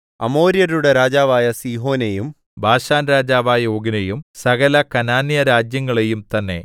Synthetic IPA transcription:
ɐ̰mo̞ːɾijɐɾuɽe̞ɾaːd͡ʑaːʋaːjɐsiːɦo̞ːnejum | bʱaːɕaːnɾaːd͡ʑaːʋaːjɐo̞ːɡinejumsɐɣɐlɐkɐnaːnjɐɾaːd͡ʑjɐŋːɐɭe̞jumt̪ɐnːe̞̰

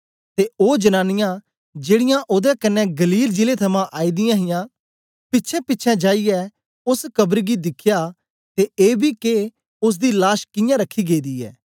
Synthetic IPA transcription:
t̪eːoːd͡ʒɐnaːnɪjã | d͡ʒeːɽɪjãʔoːd̪ɛkɐnːɛ̃ɡɐliːld͡ʒɪlet̪ʰɐmãʔaːid̪ɪjãːɦɪjãː | pɪtːʃʰɛ̃pɪtːʃʰɛ̃d͡ʒaːijɛː | ʊskɐbəɾɡid̪ɪkʰɪjaː | t̪eʔeːbiːke | ʊs̬d̪iːlaːʃkɪjãɾəkʰːiːɡeːd̪iːɛ̰ː

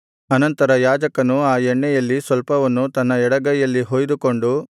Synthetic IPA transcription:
ɐnɐnt̪ɐɾɐjaːd͡ʒɐkɐnuaːjɛɳːɛjɐlːisʋɐlpɐʋɐnːut̪ɐnːɐɛɽɐɡɐjɐlːiɦoːjd̪uko̞ɳɖu

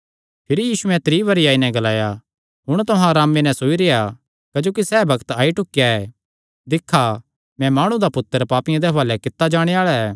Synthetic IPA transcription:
pʰɪɾijiːsuɛ̃t̪ɾiːbɐɾɪijaːinɛ̃ɡɐlaːja | ɦʊɽ̃t̪ʊɦãɾaːmenɛ̃soːiɾeja | kɐd͡ʒoːk̬isɛːbʱɐkt̪aːiʈʊkːjaɛ | d̪ɪkʰːa | mɛ̃maːɽ̃ũd̪apʊt̪ːəɾpaːpɪjãd̪ɛʋaːlɛkɪt̪ːad͡ʒaːɽ̃eaːɭaɛː

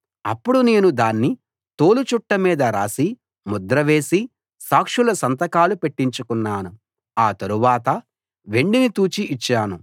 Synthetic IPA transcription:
ɐpːuɽune̞ːnud̪aːnːi | t̪o̞ːlut͡ʃuʈːɐmiːd̪ɐɾaːsi | mud̪ɾɐʋe̞ːsi | saːkʂulɐsɐnt̪ɐkaːlupe̞ʈːiɲt͡ʃukunːaːnu | aːt̪ɐɾuʋaːt̪ɐ | ʋe̞ɳɖinit̪uːt͡ʃiʔːt͡ʃːaːnu

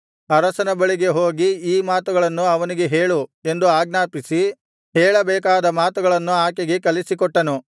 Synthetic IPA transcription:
ɐɾɐsɐnɐbɐɭiɡe̞ɦo̞ːɡiiːmaːt̪uɡɐɭɐnːuɐʋɐniɡe̞ɦeːɭue̞nd̪uaːɡnaːpisi | ɦɛːɭɐbɛːkaːd̪ɐmaːt̪uɡɐɭɐnːuaːkeɡe̞kɐlisikɔʈːɐnu

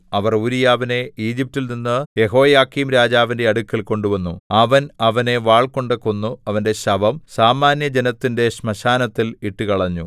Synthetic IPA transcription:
ɐʋɐruɾijaːʋine̞iːd͡ʑip̚tːilninːɨje̞ɦo̞ːjaːkimɾaːd͡ʑaːʋinde̞ɐɽukːilko̞ɳɖuʋɐnːuɐʋɐnɐʋɐne̞ʋaːɭko̞ɳɖekːonːuɐʋɐnde̞ɕɐbʱɐmsaːmaːnjɐd͡ʑe̞nɐt̪ːinde̞ɕmɐɕaːnɐt̪ːiliʈːukɐɭɐɲːu

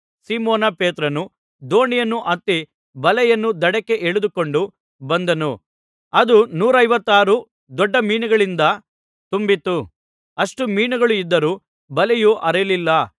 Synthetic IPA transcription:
siːmoːnɐpeːt̪ɾɐnu | d̪o̞ːɳijɐnːuʔɐt̪ːi | bɐlɛjɐnːud̪ɐɽɐkːe̞ʔeɭud̪uko̞ɳɖu | bɐnd̪ɐnu | ɐd̪unuːɾɐjʋɐt̪ːaːɾu | d̪ɔɖːɐmiːnuɡɐɭind̪ɐ | t̪umbit̪ːu | ɐʂʈumiːnuɡɐɭuid̪ːɐɾuː | bɐlɛjuːʔɐɾelilːɐ

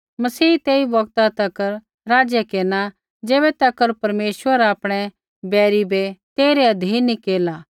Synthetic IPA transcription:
mɐsiːt̪eːibɐɡt̪at̪ɐkəɾ | ɾaːd͡ʒjekeːna | d͡ʒeːbɛt̪ɐkəɾpɐɾmeːsʋəɾaːpɽ̃ɛ | bɛːɾibɛt̪eːɾeɐd̪ʱiːnːikeːlaː

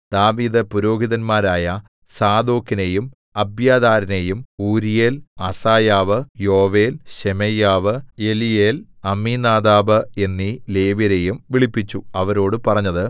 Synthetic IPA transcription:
d̪̥aːʋiːd̪ɐpuɾo̞ːɡʱiðɐnmaːɾaːjɐ | saːd̪o̞ːkːine̞jum | ɐbjaːd̪aːɾɐne̞jumuːɾijeːlɐsaːjaːʋɨjo̞ːʋe̞ːlɕemejaːʋɨelijeːlɐmːinaːd̪aːbɨe̞nːile̞ːʋjɐɾe̞jumʋiɭipːit͡ɕːuɐʋɐɾo̞ːɽɨpɐrɐɲːɐðɨ

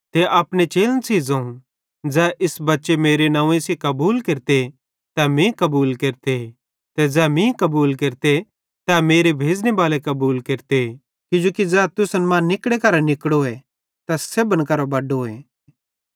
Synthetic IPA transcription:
t̪eʔaːpnet͡ʃeːlənsiːzãũ | d͡zɛːʔɪsbɐtːʃemeːɾenãːũẽsekɐbuːlkeːɾt̪e | t̪ɛmĩkɐbuːlkeːɾt̪e | t̪ɛd͡zɛːmĩkɐbuːlkeɾt̪e | t̪ɛmeːɾebʱeːd͡ʒnebaːlekɐbuːlkeːɾt̪e | kʊd͡ʒoːkid͡zɛːt̪ʊsnmãnɪkɽekɐɾanɪkɽoɛ | t̪ɐsebənkɐɾobɐɖoːẽ

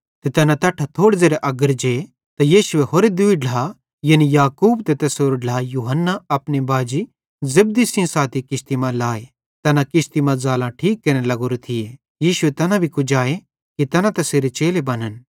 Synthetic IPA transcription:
t̪et̪ɛnãt̪ɐʈʰat̪ʰoːɽd͡zeːɾeʔɐɡəɾd͡ʒe | t̪ɐjiːʃʊeɦoːɾed̪uiɖl̤a | jɐnijaːkuːbt̪et̪ɐsoːɾoɖl̤aːjuːɦənːaɐpnebaːd͡ʒi | zɐb̚d̪isĩsaːt̪ʰikɪst̪imãlaːe | t̪ɛːnãkɪʃt̪imãd͡zaːlãʈʰiːkːɐɾnelɐɡoːɾet̪ʰɪje | jiːʃʊet̪ɐnãbʱikʊd͡ʒaːe | kit̪ɛɐnãt̪ɐseːɾet͡ʃeːlebɐnən

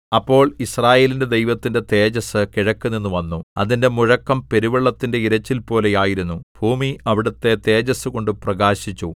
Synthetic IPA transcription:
ɐpːo̞ːɭisraːje̞ːlinde̞d̪ejʋɐt̪ːinde̞t̪e̞ːd͡ʑɐsɨkiɻɐkːɨninːuʋɐnːuɐ̰ðinde̞muɻɐkːɐmpe̞ɾuʋɐɭːɐt̪ːinde̞iɾɐt͡ɕːilpo̞ːle̞jaːjiɾunːub̥ʱuːmiɐʋiɽɐt̪ːe̞t̪e̞ːd͡ʑɐsɨko̞ɳɖɨprɐɡaːɕit͡ɕːu

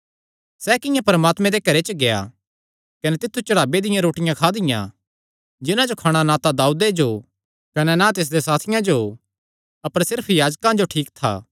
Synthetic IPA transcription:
sɛkɪjãpɐɾmaːt̪mɛ̃d̪ekɐɾet͡ʃəɡeja̰ | kɐnɛt̪ɪt̪ʰːut͡ʃɐɽaːbed̪ɪjãɾoːʈɪjãkʰaːd̪ɪjã̰ | d͡ʒɪnãd͡ʒokʰaːɽ̃anaːt̪ad̪aːuːd̪ed͡ʒo | kɐnɛnat̪ɪs̬d̪esaːt̪ʰɪjãd͡ʒo | ɐpəɾsɪɾpʰjaːd͡ʒkãd͡ʒoʈʰiːkt̪ʰa̰ː

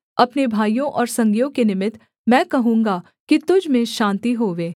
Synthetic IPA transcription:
ɐpnebʱaːijõʔɔːɾsɐ̃ŋɡjõkenɪmɪt̪ | mɛ̃ːkɐɦũːŋɡa | kit̪ʊd͡ʒʱmẽʃãːnt̪iɦoːʋeː

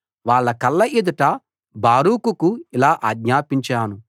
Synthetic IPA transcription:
ʋaːɭːɐkɐlːɐʔed̪uʈɐ | baːɾuːkukuilaːʔaːɡɲaːpiɲt͡ʃaːnu

